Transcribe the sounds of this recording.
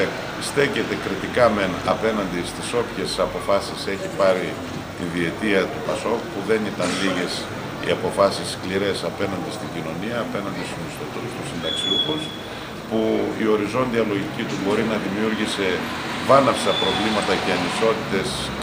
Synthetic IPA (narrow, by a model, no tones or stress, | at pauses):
sθe̞ce̞t̪e̞kɾit̪ikɐme̞nɐ̰pe̞nɐnd̪ist̪iso̞pçe̞sɐpo̞fɐsise̞çipɐɾi | t̪inðie̞t̪iɐt̪upɐso̞kupuðe̞nit̪ɐnliʝe̞s | ḭɐpo̞fɐsiskliɾe̞sɐpe̞nɐnd̪ist̪iɲɟino̞niɐːpe̞nɐnd̪ist̪unisθot̪ust̪usind̪ɐksiuxus | puio̞ɾizo̞nðiɐlo̞ʝicit̪ubo̞ɾinɐðimiuɾʝise̞ | vɐnɐfsɐpɾo̞vlimɐt̪ɐceɐniso̞t̪it̪e̞s